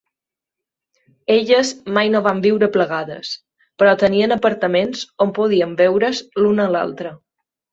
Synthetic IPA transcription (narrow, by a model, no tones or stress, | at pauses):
eʎəzmajnoβambiwɾəpləɣaðə̰s | pəɾɔt̪əniənəpəɾt̪əmenzompoð̞iəmbɛwɾəzlunəːla̰lˠt̪ɾə